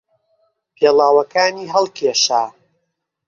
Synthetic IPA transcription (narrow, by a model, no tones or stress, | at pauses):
pʰeːlaːwɐkaːniːɦɐlˠkʰeːʃaː